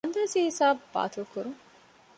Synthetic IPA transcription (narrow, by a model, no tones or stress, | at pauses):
ɐnd̪ɐːsiɦisaːbba̰ːt̪ʰulkuɾuŋ